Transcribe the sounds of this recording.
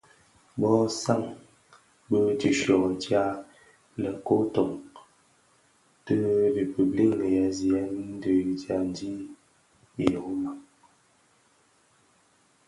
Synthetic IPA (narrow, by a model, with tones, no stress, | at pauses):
bɔ˦sa˦˨ŋ | bə˦ti˨ʃɔ˨ʔtja˦ | lə˨ko˦tɔ˨ŋ | tə˦ɾe˨pə˨bli˦˨ŋnə˨ja˨zi˨a˨˦n˦n˦də˨i˨tja˨n˦di˦ | i˨jo˨˦ma˦